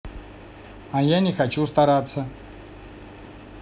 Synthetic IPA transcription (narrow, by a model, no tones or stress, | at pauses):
ajanʲɪxɐt͡ɕust̪ɐɾat̪sːə